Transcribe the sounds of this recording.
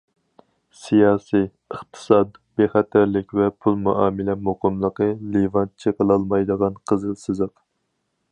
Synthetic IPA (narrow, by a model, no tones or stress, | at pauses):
sijɑːsi | əχt̪ʰɨ̥sɑd̪b̥eχɛt̪ʰæɾlɪkʲvɛpʰulˠmuʔɑːmɨlɛmoqəmlˠəqəlivɑnt͡ʃʰəqəlˠɑlˠmɑjd̪əʁɑnqʰəzɨlˠsɨzəq